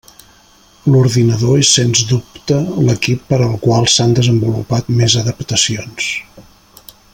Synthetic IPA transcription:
luɾðinəðoesenzd̪upt̪ələkipːəɾəlˠkwalˠsand̪əzəmbulupat̪mezəðəpt̪əsions

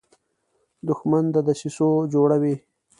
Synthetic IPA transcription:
d̪ʊxmand̪ad̪aʃisod͡ʒoɽawi

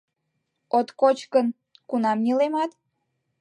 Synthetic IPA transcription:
ot̪kot͡ɕkən | kunɑmnʲilemɑt̪

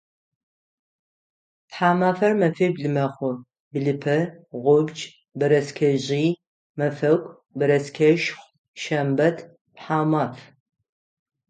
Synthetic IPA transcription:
pħaːmaːfɐrmɐfiːbɮɨmɐχʷʊ | bɨɮɨpʰɐʁʷʊbd͡ʒ | bɨɾɐskʲʰɐʑiː | mɐfɐɡʷʼ | bɐɾɐskʰɐʒχʷ | ʃɐmbɐtʰ | pħaːmaːf

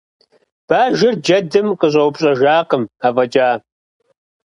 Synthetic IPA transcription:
b̥aːʒɪrd͡ʒɐdɨmqəʑʷʼɐwpɕʼɐʒaːqəmaːvɐd͡ʒʼaː

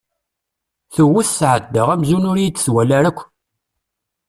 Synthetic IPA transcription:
θəwiθsʕəd̪ːəʁæmzunʊɾjit͡s̪ːswælæɾækʷː

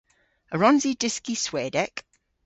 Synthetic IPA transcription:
əɹɒ̃nzidɪskisweːdɛk

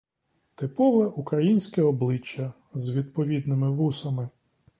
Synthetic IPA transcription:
t̪ɪpɔʋɛʔukɾɐjinʲsʲkɛɔblˠɪt͡ʃːɐ | zʋʲid̪̚pɔʋʲid̪nɪmɪʋusɐmɪ

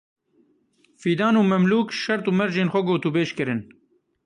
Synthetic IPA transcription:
fiːd̪aːnuːmɛmluːkʃɐɾt̪uːmɛɾʒeːnxʷɛɡoːt̪ubeːʃkɨɾɨn

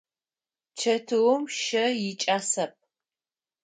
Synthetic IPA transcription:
t͡ʃʰɐtʰɨwʊmʃɐjɪt͡ʃʼaːsɐp̚

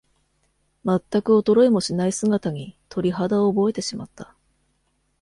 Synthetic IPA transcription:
mat̪ːakɯ̟o̞t̪o̞ɾo̞emo̞ɕinaisɨɡat̪aɲ̟it̪ʰo̞ɾʲiɦad̪aoːbo̞e̞t̪e̞ɕimat̪ːḁ

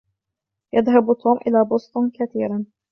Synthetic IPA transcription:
jaðɦabt̪ːuːmʔɪlaːbʊst̪ˤʊnkaθiːɾan

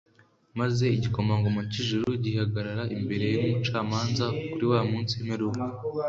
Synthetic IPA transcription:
maze̞iɟiko̞maŋɡomociʒuɾuɟihaɡaɾaɾaʔimbe̞ɾe̞jeniːt͡ʃaːmaːnzakuɾiwaːmuːnsiemeɾuka

